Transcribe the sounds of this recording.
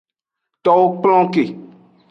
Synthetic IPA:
t̪ɔ˦wo˦k͡pl̃ɔ̃˦ke˨

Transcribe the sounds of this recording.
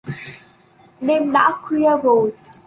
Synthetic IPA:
ɗe˧mɗa̰ː˧˥kwi˧əɾo˨˩j

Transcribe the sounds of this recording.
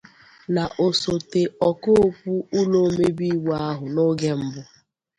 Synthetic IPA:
na˨ʔo˨so˨te˨ɔ˨ko˦˨kʷu˦ʊ˦lo˦me˦bi˦wa˦ɦʊ˨no˦ɡe˦m̩˦bʊ˦

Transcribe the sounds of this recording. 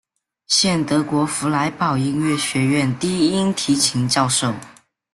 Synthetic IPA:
ɕjɛ˥˩nt̪ɤ˧˥kwɔ˧˥fu˧˥la˧˥ɪpɑ˨˩ʊi˥ŋɥɛ˥˩ɕɥɛ˧˥ɥɛ˥˩nt̪i˥˩˥i˥nt̪ʰi˧˥t͡ɕʰi˧˥ŋt͡ɕjɑ˥˧ʊʂo˥˩ʊ

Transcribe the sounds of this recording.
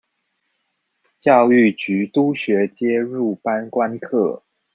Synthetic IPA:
t͡ɕjɑ˥˧ʊy˥˩t͡ɕy˧˥t̪u˥ɕɥɛ˧˥t͡ɕjɛ˥ɻu˥˩pa˥nkwa˥nkʰɤ˥˩

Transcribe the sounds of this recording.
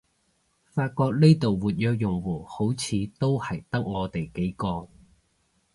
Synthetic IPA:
faː˧t̚kɔː˧k̚ne˥jt̪o˨wwuː˨t̚jœː˧k̚jʊ˨˩ŋwuː˨˩ho˨˥wt͡sʰiː˨˧t̪o˥whɐ˨˩jt̪ɐ˥k̚ŋɔː˨˧t̪e˨jke˨˥jkɔː˧

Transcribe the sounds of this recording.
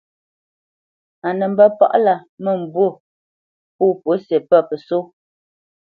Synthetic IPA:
a˨nə˨m̩˦bə˦pa̰˦ʔla˨mə˦˨m̩˨bwo˦˨ | puː˦˨po˨˦se˨pə˦˨pə˨so˦

